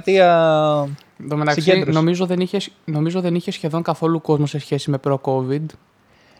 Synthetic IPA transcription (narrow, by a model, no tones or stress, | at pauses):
t̪iɐ | d̪omet̪ɐksino̞mizo̞ðeniçesno̞mizot̪iðeniçe̞sçe̞ðo̞ŋkɐθo̞luko̞zmose̞sçe̞sime̞pɾo̞ko̞vid̪